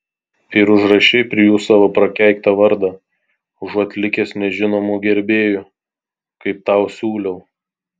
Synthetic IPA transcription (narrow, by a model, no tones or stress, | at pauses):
ɪɾʊʒɾɐʃʲɛɪpʲɾʲɪjuːsɑːʋoːpɾɐkʲæˑɪkt̪ɐʋɐɾd̪ɐ | ʊʒɐt̪ʲlʲɪkʲeːsnʲɛʒʲɪnoːmuːɡʲɛɾʲbʲeːjʊ | kɐɪp̚t̪ɑˑʊsʲuːlʲɛʊ